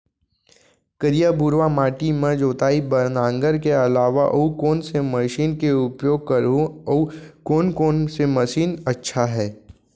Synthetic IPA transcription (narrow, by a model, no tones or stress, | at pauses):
kəɾijabuɾʋamaːʈimẽd͡ʒoːt̪aːibɐɾnãːŋɡəɾkeɐlaːʋaʔokoːnsemɐʃiːnkeʊpjoːɡ̚kəɾ | koːnkoːnsemɐʃiːnɐtːʃʰaɦɛː